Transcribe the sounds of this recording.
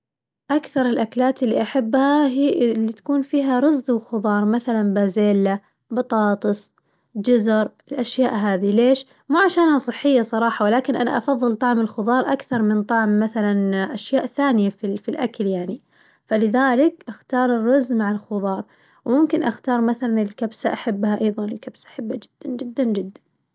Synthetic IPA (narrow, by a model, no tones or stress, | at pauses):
ʔakθɑɾˤɪlʔaklaːt̪ɪlːiʔaħabːhaɦilːit̪ḁkuːnfiːɦaɾˤʊzːwxʊðˤɑːɾˤmaθalanbaːzeːlːa | bɑt̪ˤɑːt̪ˤɨsˤ | d͡ʒʊzɾˤɪlʔaʃjaːʔɦaːðileːʃ | muːʕaʃaːnhasˤɨħːɪjːasˤɑɾˤɑːħɑwɪlaːkɪnʔana̰ʔɑfɑðˤːɨlt̪ˤɑʕmɪlxʊðˤɑːɾˤʔakθɑɾˤmɪnt̪ˤɑʕmːaθalanʔaʃjaːʔθaːnɪjafifilʔakljaʕni | falɪðaːlɪkʔaxt̪ɑːɾˤɨrːɑzːmaʕɪlxʊðˤɑːɾˤ | wmʊmkɪnʔaxt̪ɑːɾˤmaθalanɪlkabsaʔaħabːhaʔɑjðˤɑnɪlkabsaʔaħabːad͡ʒɪd̪̥ːand͡ʒɪd̪ːand͡ʒɪd̪ːan